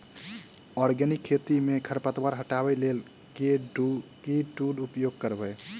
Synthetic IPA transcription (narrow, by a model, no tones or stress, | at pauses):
ɔɾɡənikʰːet̪imekʰəɾpət̪baɾɦəʈabəjlelkekeɖuɖupjoɡ̚kəɾbəj